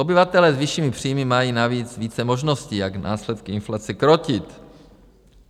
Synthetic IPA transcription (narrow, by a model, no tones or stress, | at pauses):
obɪvat̪ɛlɛːzviʃiːmɪpr̝̥ijmɪmajiːnaviːt͡sviːt͡sɛmo̞ʒno̞sciːjaɡna̰ːslɛt̪̚kɪɪnflat͡sɛkɾocɪt̪